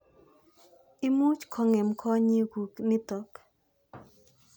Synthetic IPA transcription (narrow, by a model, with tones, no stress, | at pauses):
i˦mu˦t͡ʃkʰɔ˨ŋɛ˨mkʰɔ˦ɲi˦ɡu˨knɪ˦t̪ɔ˨k